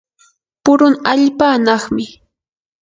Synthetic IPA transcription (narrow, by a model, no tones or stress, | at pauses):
pʊɾʊŋaʎpaːnɑχmɪ